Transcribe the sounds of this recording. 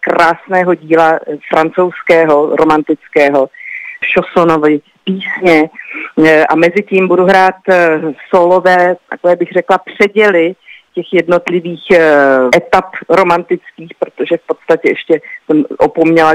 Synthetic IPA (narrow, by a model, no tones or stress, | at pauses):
kɾaːsnɛːɦo̞ɟiːlafɾant͡sowskɛːɦo̞ɾo̞mant̪ɪt͡skɛːɦo̞ʃosonovɪ | piːsɲɛ | ʔa̰mɛzɪciːmbuduɦɾaːt̪solovɛːt̪a̰kovɛːbɪɣr̝ɛklapr̝̥ɛɟɛlɪcɛxjɛdno̞t̪lɪviːxʔɛt̪apɾo̞mant̪ɪt͡skiːxpɾot̪oʒɛfpo̞t̪st̪acɛʔɛʃcɛsɛmʔopomɲɛla